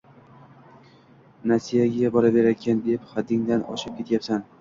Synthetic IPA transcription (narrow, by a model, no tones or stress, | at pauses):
nasijaɡʲabɒɾabe̞ɾakʲʰand̪epχad̪ːɪŋd̪anɒ̰ʃɪp̚kʲe̞t̪japsan